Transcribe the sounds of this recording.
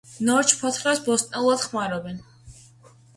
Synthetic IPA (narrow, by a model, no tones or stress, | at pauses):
nɔɾt͡ʃʰpʰɔt̪ʰχɾasbɔst̪ʼnɛlˠuad̪̥χmaɾɔbɛn